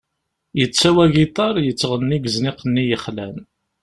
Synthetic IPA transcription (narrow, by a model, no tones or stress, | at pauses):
jət͡sːæwæɡit̪ˤɑɾˤjət͡sːʁənːiɡəznɪqənːijəχlæn